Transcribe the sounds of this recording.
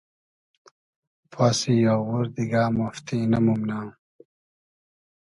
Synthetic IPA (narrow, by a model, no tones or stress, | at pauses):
pʰaːsijaːwuɾd̪iɡaːmaft̪inɐmumnaː